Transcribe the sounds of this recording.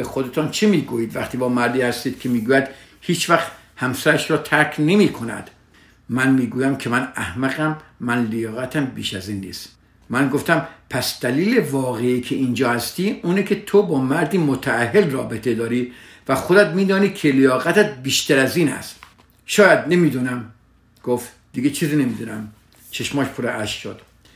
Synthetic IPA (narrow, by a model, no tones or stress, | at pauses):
exod̪et̪ʰɒnt͡ʃʰemiːɡuːjiːd̪væχt̪ʰiːbɒːmæɾd̪iːhæst̪iːd̪̥kʰemiːɡuːjæd̪̥ | hiːt͡ʃʰvæxt̪ | hæmsæɾæʃɾɒːt̪ʰæɾkʲʰne̞miːkʰonæ̰d̪̥ | mænmiːɡuːjæmkʰemænæhmæɣæmːænlejɒːɣæt̪ʰæmbḭːʃæziːnːḭːst̪ | mænɡoft̪æmpʰæsd̪̥æliːlevɒːɣeiːkʰeʔiːnd͡ʒɒːhæst̪iːuːnikʰe̞t̪ʰobɒːmæɾd̪iːmot̪ʰææɦːelrɒːbet̪ʰe̞d̪ɒːɾiː | væxod̪æt̪miːd̪ɒːniːkʰelejɒːɣæt̪æt̪̚biːʃt̪ʰæɾæziːnæ̰st̪ | ʃɒːjæd̪ne̞miːd̪unæm | ɡ̥oft̪ | d̪̥iɡet͡ʃʰiːziːnemiːd̪unæm | t͡ʃʰeʃmɒːʃpʰoɾeʔæʃʃod̪̥